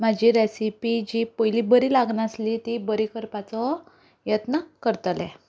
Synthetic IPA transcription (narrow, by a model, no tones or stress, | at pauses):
m̤ad͡ʑiɾesipid͡ʑipəjlibəɾiːlaɡnəslit̪ibəɾikəɾpat͡sɔ | jət̪nəkəɾt̪lɛ